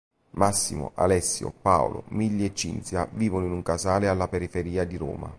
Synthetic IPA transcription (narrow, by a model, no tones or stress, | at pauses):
masːḭmʊ̰ʔa̰lɛsːjʊ̰pao̰lo̰miʎːet͡ʃːḭnt̪sjaviːvonʊinuŋkasaːlealːapeɾifeɾiːad̪iɾo̰ːma̰